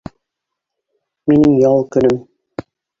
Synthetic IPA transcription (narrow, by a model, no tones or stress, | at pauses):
minɘŋjɑlˠkɵ̆nɘm